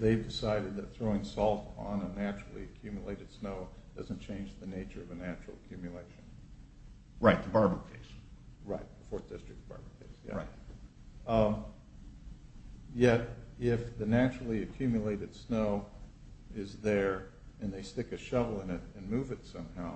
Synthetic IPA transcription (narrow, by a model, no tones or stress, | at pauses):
ðeɪvdɨsaɪɾɨd̪̚ðɨt̪̚θɹoʊɪ̃ŋsɔlˠtn̩ənæt͡ʃɹ̥l̩ˠḭɨkʰj̥ʉmjəleɪɾɨd̥snoʊd̥ʌz̃n̩t͡ʃʰẽɪ̃nd͡ʒðɨneɪt͡ʃə˞ʌvɨnæt͡ʃɹ̥l̩ˠəkʰj̥ʉmjɨleɪʃɨ̃n̩ | ɹaɪt̪̚ðəbɑɹbəkʰeɪsɹaɪt̚b̥əfɔɹθd̥ɪstɹ̥ɨk̚t̚b̥ɑ̰ɹbəkʰeɪsjæ̰ɹaɪt̚ | jɛɾɪfðɨnæt͡ʃɹl̩ˠiɨkʰj̥ʉmjɨleɪɾɨd̥snoʊ | ɪzðə˞ | ɨ̃nðeɪstɪkɨʃʌvl̩ˠɪ̃nɨɾɨ̃nmʉvɨtsʌ̃mhaʊ